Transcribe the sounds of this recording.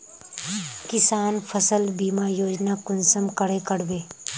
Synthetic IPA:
kɪsaːnpʰəsəlbiːmajoːd͡ʒnakʊnsəmkəɽekəɽbeː

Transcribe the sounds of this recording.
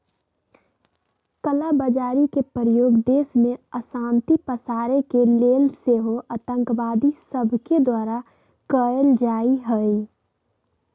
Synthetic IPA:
kəlabəd͡ʒaːɾikepəɾəjoːɡd̪eːsmẽəsãːnt̪ipəsaːɾekeleːlseɦoʔət̪ə̃ŋkʋaːd̪isəbʱked̪waːɾa | kəəld͡ʒaːiɦəi

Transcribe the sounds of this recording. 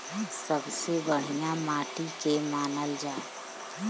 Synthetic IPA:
səbsebəɽ̤ijamaːʈ̪ikemaːnəld͡ʒaː

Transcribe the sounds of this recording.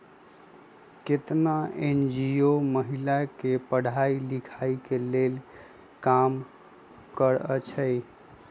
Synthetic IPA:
ket̪naend͡ʒioməɦilakepəɽ̤ailikʰaikelel | kam | kəɾət͡ʃʰəj

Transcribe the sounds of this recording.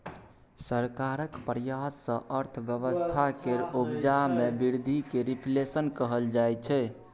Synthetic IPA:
səɾkaɾəkpəɾjassə̰̃ʔəɾt̪ʰbjəβəst̪ʰakeɾubd͡ʒamebiɾd̪ʱikeɾipʰlesənkəɦəld͡ʒajt͡ʃʰɛ

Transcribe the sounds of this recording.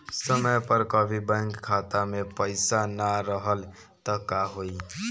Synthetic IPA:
səməjpəɾkəbʱibə̃ŋkkʰːat̪amepəjsanaɾəɦəl | t̪ʌkaɦoj

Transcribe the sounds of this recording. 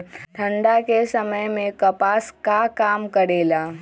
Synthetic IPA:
ʈʰə̃ɳɖakesɐməjmẽkɐpaːskakaːmkəɾeːlaː

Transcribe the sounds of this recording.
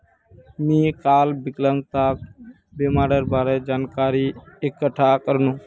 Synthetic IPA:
mĩːkaːlbɪklə̃ŋɡ̚t̪aːk̚ | beːmaːɾəɾbaːɾed͡ʒaːnkaːɾiɪkːəʈʰːaːkəɾnũː

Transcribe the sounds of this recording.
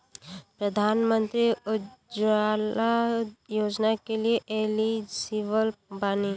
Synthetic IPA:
pɾəd̪ʱaːnmə̃nt̪ɾiʊd͡ʒalajoːd͡ʒnakelieʔeːlisiʋəlbaːni

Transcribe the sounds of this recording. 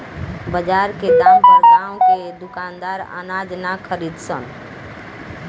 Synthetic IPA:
bəd͡ʒaɾked̪amkəɾkt̪aõked̪ukand̪aɾa̰nad͡ʒnakʰəɾid̪sə̰n

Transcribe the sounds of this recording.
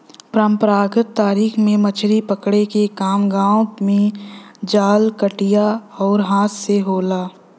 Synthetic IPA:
pɾəmpɾaːɡət̪ːaːɾiːxmẽmɐt͡ʃʰɾipəkɽekekaːmɡaːõmẽd͡ʒaːlkəʈijaɔːɾɦaːt̪ʰseɦoːlaː

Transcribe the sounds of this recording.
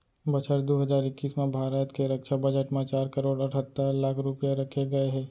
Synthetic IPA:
bət͡ʃʰəʈd̪oːɦəzaːɾɪkːiːsmẽbʱaːɾət̪keɾəkʃabɐd͡ʒəʈmẽt͡ʃaːɾkəɾoːɽəʈʰət̪ːəɾlaːkʰɾʊpɪjaɾɐkʰeɡɐeɦɛː

